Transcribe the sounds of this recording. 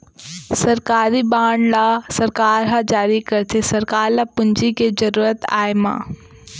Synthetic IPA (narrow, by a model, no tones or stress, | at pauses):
sɐɾkaːɾiɓaːɳ̃laːsɐɾkaːɾɦãːd͡ʑaːɾikɐɾt̪ʰesɐɾkaːɾlaːpʊ̃ɲd͡ʑikezɐɾuːɾət̪a̰ːɪmã̰ː